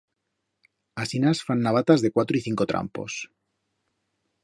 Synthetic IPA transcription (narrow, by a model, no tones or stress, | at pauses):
asinasfanːaβ̞at̪azðe̞kwat̪ɾoiθiŋkot̪ɾa̰mpo̞̰s